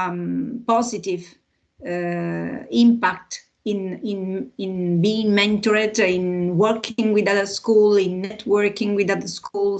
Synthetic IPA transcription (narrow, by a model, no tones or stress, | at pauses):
mpɔzitiv | ĩmpak̚t | ĩnĩnĩnbiɪ̃ŋmɛ̃nt̪ɔɹədĩnwəɾkʰĩŋwid̪aðəskulĩnːɛtʰwɜɹkĩŋwid̪aðəskʰul